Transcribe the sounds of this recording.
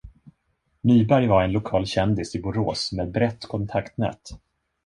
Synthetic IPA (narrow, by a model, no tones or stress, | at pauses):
nyːbæɾjvaɾɛnlʊkʰɑːlɕɛnd̪ɪsɪbʊɾo̰ːsmeːd̪̚bɾɛt̪ːkʰɔnt̪ʰakt̪nɛ̰ːt̪